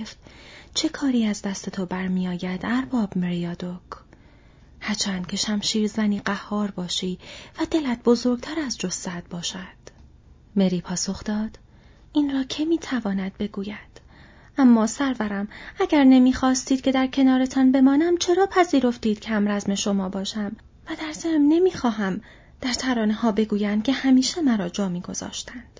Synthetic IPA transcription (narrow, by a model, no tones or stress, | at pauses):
ft̪t͡ʃʰe̞kʰɒːɾiːæzd̪æst̪e̞t̪ʰo̞bæɾmiːjɒːjæd̪̥æɾbɒːbmeɾijɒːd̪ok | hæɾt͡ʃʰænd̪̚cʰe̞ʃæmʃiːɾzæniːɢæhːɒːɾbɒːʃiːvæd̪e̞læt̪̚bo̞zo̞ɾɡ̥̚t̪ʰæɾæzd͡ʒosːæd̪̥̚bɒːʃæd̪̥ | me̞ɾiːpʰɒːso̞xd̪̥ɒːd̪̥ | iːnrɒːcʰe̞miːt̪ʰævɒːnæd̪̚be̞ɡuːjæd̪̥ | ʔæmːɒːsæɾvæɾæmæɟæɾne̞miːxɒːst̪iːd̪̥̚cʰʲe̞d̪æɾcʰe̞nɒːɾet̪ʰɒnbe̞mɒːnæmt͡ʃʰe̞ɾɒːpʰæziːɾo̞ft̪iːd̪̥cʲʰæmɾæzme̞ʃo̞mɒːbɒːʃæm | væd̪æɾzæmne̞miːxɒːɦæm | d̪̥æɾt̪ʰæɾɒːnehɒːbe̞ɡuːjænd̪̚cʰe̞hæmiːʃemæɾɒːd͡ʒɒːmiːɡo̞z̥ɒ̰ːʃt̪ænd̪̥